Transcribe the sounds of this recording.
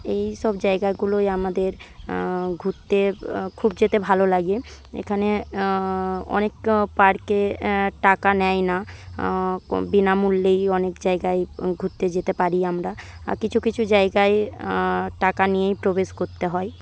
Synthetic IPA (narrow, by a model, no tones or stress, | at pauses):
ejʃɔbd͡ʑaeɡaeɡulojamad̪eɾ | ɡʱut̪ːekʰub̚d͡ʑet̪ebʱalolaɡe | ḛkʰane | ɔ̰nekpaɾkeʈakanɛjna | binamulːejɔnekd͡ʑaeɡaeɡʱut̪ːed͡ʑet̪epaɾiamɾaa̰kit͡ɕʰukit͡ɕʰud͡ʑaeɡae | ʈakanijejpɾobeʃkoɾt̪eɦɔe